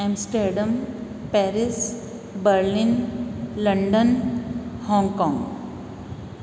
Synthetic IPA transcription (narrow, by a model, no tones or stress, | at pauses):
ɛ̃msʈeɾɖəm | pɛɾis | bəɾlĩnləɳɖən | hɔ̃ŋɡkɔ̃ŋɡ